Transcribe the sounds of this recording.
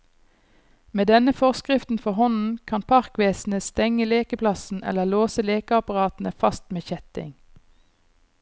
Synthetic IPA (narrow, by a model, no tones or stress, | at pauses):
meːd̪ɛnəfɔʁskʁɪft̪n̩fɔhɔnn̩kʰɑnpʰɑʁkʋeːsn̩əst̪ɛŋəleːkəpʰlɑsn̩ɛ̰ləloːsəleːkəɑpɑʁɑːt̪n̩əfɑst̪meːçɛt̪ɪ̰ŋ